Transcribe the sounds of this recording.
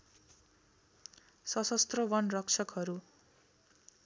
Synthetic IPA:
sʌsʌst̪rʌbʌnrʌkt͡sʰʌkɦʌɾu

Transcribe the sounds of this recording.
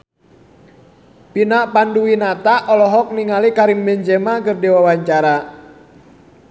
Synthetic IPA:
pinaʔpanduwinat̪aʔɔlɔɦɔk̚niŋalikaɾiŋbɛɲd͡ʒɛmakərdɛwawaɲt͡ʃaɾa

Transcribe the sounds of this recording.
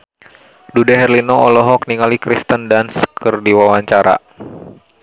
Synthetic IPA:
dudɛɦɛrlinɔɔlɔɦɔk̚niŋalikɾist̪əndanskʰərdiwawaɲt͡ʃaɾa̰

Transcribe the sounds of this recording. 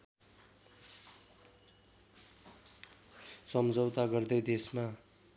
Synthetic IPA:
sʌmd͡zʌwt̪aɡʌrd̪ʌjd̪esma

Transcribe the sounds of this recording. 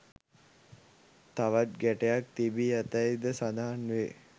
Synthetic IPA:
t̪aʋat̪̚ɡæʈejak̚t̪ibijat̪əjd̪əsad̪aɦanʋe

